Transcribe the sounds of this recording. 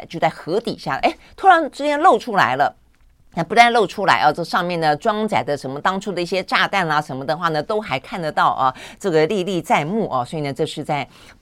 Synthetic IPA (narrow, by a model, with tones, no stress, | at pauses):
t͡ɕjo˥˧ʊt͡sa˥˩ɪxɤ˧˥t̪ḭ˨˩ɕja˥˩˨ʔḛ˧˥˩ɪt̪ʰu˥ɻa˧˥ŋʈ͡ʂɻ̩˥t͡ɕjɛ˥nlo˥˩ʊʈ͡ʂʰu˥la̰˧˥ɪlə˧ | na˥˩pu˧˥t͡sa˥˧ɪlo˥˩ʊʈ͡ʂʰu˥la̰˧˥ɪʔɔ˥˧˩ʈ͡ʂʂɑ˥˧ŋmjɛ˥˩nd̪ə˩ʈ͡ʂwɑ˥ŋt͡sa˨˩ɪd̪ə˦ʂə˧˥nmə˧t̪ɑ˥ŋʈ͡ʂʰu˥˩d̪ə˨i˥˩ɕjɛ˥ʈ͡ʂa˥˧t̪a˥˩nɐ˨ʂə˧˥nmə˧˩d̪ə˨xwa˥˩nə˩t̪o˥ʊxa˧˥ɪkʰa˥˩nd̪ə˩t̪ɑ˥˩ʊʔɐ˨ʈ͡ʂɤ˥˩ɡə˩li˥˧li˥˧t͡sa˥˧ɪmu˥˩ʔɐ˩swɔ˧˥i˨˩nə˦ʈ͡ʂɤ˥˧ʂɻ̩˥˧t͡sa˥˩ɪ